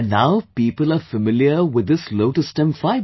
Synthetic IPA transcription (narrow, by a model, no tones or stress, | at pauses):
nnaʊpiːpəlˠəfəmɪljəwɪd̪ːɪsloʊʈəsʈɛ̃mfaɪ